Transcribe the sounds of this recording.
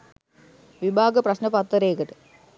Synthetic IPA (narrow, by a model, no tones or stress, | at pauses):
ʋibʱaːɡɐprɐɕnɐpɐt̪ːɐɾeːkɐʈɨ̥